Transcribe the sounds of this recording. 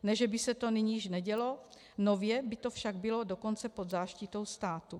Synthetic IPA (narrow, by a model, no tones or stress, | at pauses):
nɛʒɛbɪsɛt̪o̞nɪɲiːʃnɛɟɛlo̞ | novjɛbɪt̪o̞fʃaɡ̚bɪlo̞doko̞nt͡sɛpod̪zaːʃcɪt̪o̞wst̪aːt̪u